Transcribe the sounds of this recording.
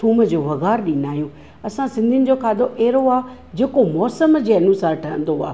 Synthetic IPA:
t̪ʰuːməd͡ʑoːʋɐɣaːɾɗinaːɦijũː | ɐsãsɪ̃nd̪ʱiʊnɪ̆d͡ʑoːkʰaːd̪oʔeːɾoaː | d͡ʑeːkomɔːsəmd͡ʑeːɐnusaːɾʈʰɐɦə̃nd̪oa̰ː

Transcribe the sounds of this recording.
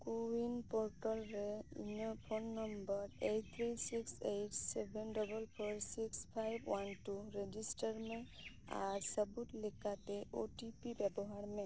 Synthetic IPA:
kowinpoɾʈəlɾeḭnɔpʰonːəmbəɾeʈ̚t̪ʰɾisiksejʈsebʱenɖɔbəlpʰɔɾsikspʰajbwanʈuɾed͡ʒisʈəɾmẽ | a̰ɾsəbut̪lekat̪eʔoʈipibɛbɔɦaɾme

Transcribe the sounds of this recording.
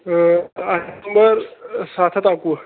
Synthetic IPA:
aumbəɾsat̪ʰət̪aku

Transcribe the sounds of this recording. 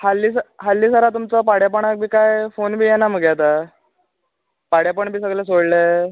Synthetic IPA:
halːiːsaɦalːiːsaɾat̪umt͡səpaɽjapəɳak̚bʱiːkajfonbʱiːjɛnaməɡjat̪a | paɽjapəɳbʱiːs̬əɡlesoɽle

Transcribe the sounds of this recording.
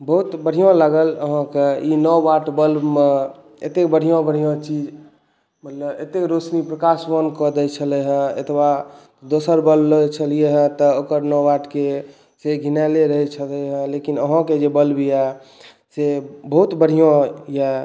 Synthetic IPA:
bəɦut̪bəɽ̤ijõlaɡələɦãkeinɔaʈbəlbme | ḛt̪ekbəɽ̤ʱijõbəɽ̤ʱijõt͡ʃid͡ʒ | mət̪ləbḛt̪ekɾosnipɾəkaswənkɔd̪ɛt͡ʃʰəlɛɦə̃ḛt̪ʰba | d̪osəɾbəlblt͡ʃʰəlijeɦə̃t̪ɔokəɾnɔwaʈke | seɡʱinɛleɾəɦɛt͡ʃʰəlɛɦə̃lekinəɦãked͡ʒebəlbijɛ | sebəɦut̪bəɽ̤ijõjɛ

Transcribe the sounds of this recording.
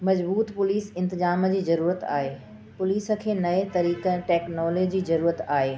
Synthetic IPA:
mɐd͡ʑbuːt̪pʊliːsɪ̃nt̪ɪzaːməd͡ʑiːzɐɾuːɾət̪a̰ːɦeː | pʊliːsə̆kʰeːnɐet̪ɐɾiːkəʈeːknɔːled͡ʑd͡ʑiːzɐɾuːɾət̪aːɦeː

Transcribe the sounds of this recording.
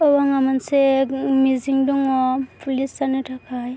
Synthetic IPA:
ɔwaŋamansemiziŋduŋɔpʰulisaniʈʰakʰaj

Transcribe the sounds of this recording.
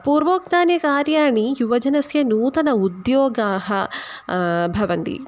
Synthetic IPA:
puːɾʋoːk̚naːnjɐkaːɾjaːɳijuʋɐd͡ʒɐnɐsjɐnuːt̪ɐnɐud̪jɔːɡaːɦɐ | bʱɐʋɐnt̪ḭ

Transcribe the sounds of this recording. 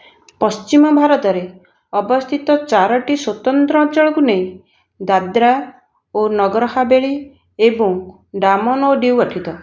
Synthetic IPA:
pɔst͡ʃimɔbʱaɾɔt̪ɔɾe | ɔbɔst̪ʰit̪ɔt͡ʃaɾɔʈiswot̪ɔnt̪ɾɔ̃ɔ̃t͡ʃɔɭɔkuneĩ | d̪ad̪ɾa | onɔɡɾɔɦabeɭi | ebɔŋ | ɖamɔnoɖiwɔʈʰit̪ɔ

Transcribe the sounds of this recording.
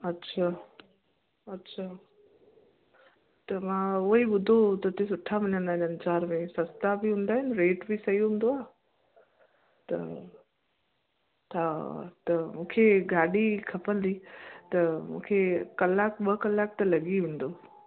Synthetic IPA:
ɐtːɕʰaː | ɐtːɕʰaː | t̪ɐmãʊiɓʊd̪ʱot̪ɐt̪ẽsʊʈʰːamɪnənaːnɐ̃nt͡ɕaːɾmẽsɐst̪abiɦũːn̆d̪aːɦɪnɾeːʈbʱisɐiɦũːnd̪oaː | t̪ɐ̰ | t̪ʰat̪ɐmũːkʰeɡaːɗikʰɐpə̃nd̪it̪ɐmṵ̃ːkʰekɐlːaːkɓəkɐlːaːk̚t̪ɐlɐɡiʋẽːn̆d̪oː

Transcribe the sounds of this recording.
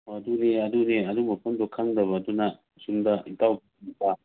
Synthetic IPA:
ɐduniɐduneɐdumɐpʰɐndokʰɐŋdɐβɐːdunɐ | sumdɐitawbiibɐ

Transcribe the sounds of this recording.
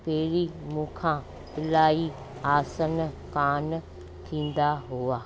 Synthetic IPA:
peːɾimũːkʰã | pɪlaːi | aːsən | kaːn | t̪ʰĩːn̆d̪aɦʊaː

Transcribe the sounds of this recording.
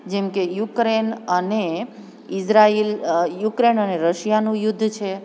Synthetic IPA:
d͡ʒemkejukɾenəne | ɪsɾailjukɾenəneɾəʃjanũjʊd̪ʱːt͡ʃʰe

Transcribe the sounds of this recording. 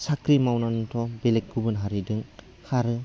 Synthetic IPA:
sakɾimawnanutʰɔbelek̚ɡubɯnɦaɾidɯŋ | hʰaɾɯ

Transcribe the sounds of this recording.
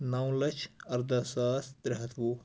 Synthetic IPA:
nawlɐt͡ʃʰɐɾd̪ɐsaːsd̪ɾɪɦɐt̪ʰʋu

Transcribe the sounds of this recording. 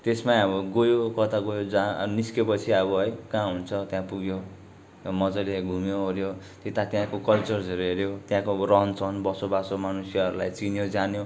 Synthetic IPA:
t̪esmaʌbʌɡojokʌt̪ʰaɡojod͡zaniskepʌt͡sʰiʌbʌɦʌjkãɦunt͡sʰʌt̪jãpuɡjo | mʌd͡zʌleɡʱumjoɦoɾjo | t̪et̪at̪jãkokʌlt͡sʌrd͡zʌɾɦeɾjot̪jãkorʌɦʌnt͡sʰʌnbʌsobasomanusjʌʌɾulajt͡sinjod͡zanjo

